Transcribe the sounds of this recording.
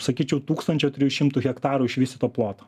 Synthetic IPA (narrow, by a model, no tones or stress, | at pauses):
sɐkʲiːt͡ʃʲɛʊt̪uːkst̪ɐnʲt͡ʃʲoːt̪ʲɾʲɪjuʃʲɪmt̪uɣʲɛkt̪ɑːɾuɪʃʲʋʲɪsʲɪt̪oːplˠoːt̪o